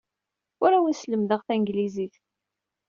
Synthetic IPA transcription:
ʊɾawənsləmðəʁθæŋɡliziθ

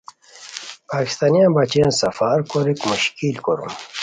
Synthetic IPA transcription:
paːki̥st̪aːnijãnbat͡ɕijansɐfaɾkoɾikmuɕkilkoɾṵm

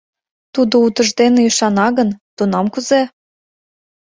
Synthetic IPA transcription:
t̪ud̪out̪ə̆ʒd̪eneiʃɑnɑɣənt̪unɑmkuze

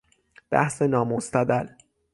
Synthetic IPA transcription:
b̥æ̰hse̞nɒːmost̪æd̪æl

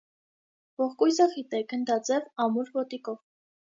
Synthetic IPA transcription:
vɔχkujzəχit̪ɛkʰənd̪ɑt͡sɛvɑmuɾvɔt̪ikɔv

